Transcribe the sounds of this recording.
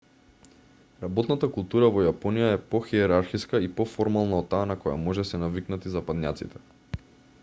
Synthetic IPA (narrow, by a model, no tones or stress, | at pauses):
ɾabɔt̪nat̪akulˠt̪uɾavɔjapɔnijaɛpɔxiɛɾaɾxiskaipɔfɔɾmalˠnaɔt̪ːaːnakɔja̰mɔʒɛsɛnaviknat̪izapad̪nʲja̰t̪sḭt̪ɛ̥